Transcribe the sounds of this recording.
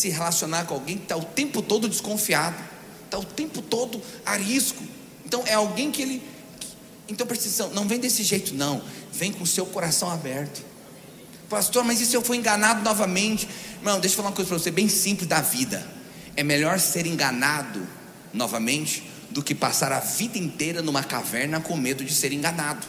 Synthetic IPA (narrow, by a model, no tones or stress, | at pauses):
sɪɦelasionaɾkõawɡẽj̃kɪt̪aʊt̪ẽmpʊt̪od̪ʊd͡ʒɪskõfiad̪ʊ | t̪aʊt̪ẽmpʊt̪od̪ʊaɦiskʊ | ẽnt̪ɐ̃w̃ʔɛawɡẽj̃kɪelɪ | k | ẽnt̪ɐ̃w̃peɾsizsɐ̃w̃nɐ̃w̃vẽj̃d̪esɪʒejt̪ʊnɐ̃w̃vẽj̃kõʊsewkoɾasɐ̃w̃abɛɾt̪ʊ̥ | past̪oɾmɐzisʊewfojẽɡɐnad̪ʊnɔvɐmẽnt͡ʃɪ̥mɐ̃ñd̪eʃʊ̥falaũɐkojzɐpɾɐvosebẽj̃sĩmplɪzd̪ɐvid̪ɐ̰ | ɛmeʎɔɾseɾẽŋɡɐnad̪ʊ̰ | nɔvɐmẽnt͡ʃɪ̥ | d̪ʊkɪpa̰saɾɐvid̪ɐẽnt̪ejɾɐnũmɐka̰vɛɾnɐkõmed̪ʊd͡ʒɪseɾẽŋɡɐnad̪ʊ